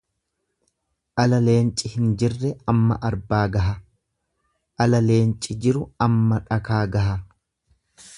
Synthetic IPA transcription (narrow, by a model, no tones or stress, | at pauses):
ʔɐlɐle̞ːnt͡ʃʼɪhɪnd͡ʒɪrːɛɐmːɐ̰ʔɐɾbaːɡɐɦɐ | ʔɐlɐle̞ːnt͡ʃʼɪd͡ʒɪɾʊɐmːɐᶑɐkaːɡɐɦɐ